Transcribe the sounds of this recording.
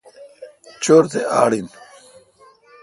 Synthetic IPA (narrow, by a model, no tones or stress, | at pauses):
t͡ɕoɾt̪ea̰ːɽin